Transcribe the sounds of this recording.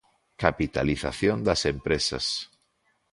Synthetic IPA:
kapit̪aliθa̰θjond̪asempɾesa̰s

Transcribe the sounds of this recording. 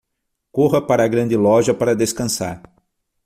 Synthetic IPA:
koɦɐpaɾɐːɡɾɐ̃nd̪ɪlɔʒɐpaɾɐd̪eskɐ̃sa̰ɾ

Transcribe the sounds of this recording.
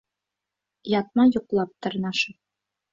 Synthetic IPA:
jɑt̪̚mɑjŏqlˠɑp̚t̪ɤ̆ɾnɑʃɤ

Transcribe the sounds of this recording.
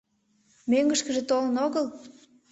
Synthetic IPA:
møŋɡə̆ʃkə̆ʒĕt̪olənoɣəl

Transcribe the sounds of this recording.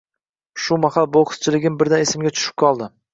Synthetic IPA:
ʃʊmaχalboqʰt̪t͡ʃʰɪlɪɡʲɪmbɪɾd̪anesɪmɡʲat͡ʃʰʊ̥ʃɪ̥p̚kʰɒlˠd̪ɪ

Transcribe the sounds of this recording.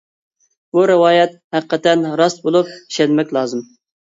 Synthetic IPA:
b̥uɾɪwɑːjɛt̪̚hæqqːət̪ɛnɾɑst̪̚bolˠup̚i̥ʃɛnmɛkʲlˠɑːzɨm

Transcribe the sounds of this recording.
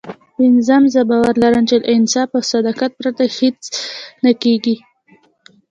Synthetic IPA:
pɪnzamzəbɑwaɾlaɾəmt͡ʃed̪əɪnsɑfəsad̪ɑkat̪̚pɾat̪ahet͡snakeɡi

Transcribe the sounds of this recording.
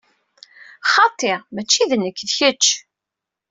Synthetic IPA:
χɑt̪ˤːeʁmæt͡ʃːiðnəkːðçət͡ʃː

